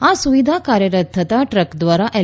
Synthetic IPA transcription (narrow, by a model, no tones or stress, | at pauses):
asuʋid̪ʱakaːɾjɐɾɐt̪ʰːɐt̪aʈɾəkd̪ʋaːɾaʔe